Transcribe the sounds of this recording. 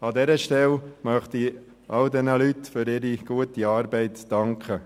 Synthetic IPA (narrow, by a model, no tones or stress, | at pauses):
ɑd̪ɛɾəʃtɛlmœχt̪i | ʔɑldɛnəlytfʏɾɪɾiɡ̥uətiɑːɾbɛɪtːɑŋkʰə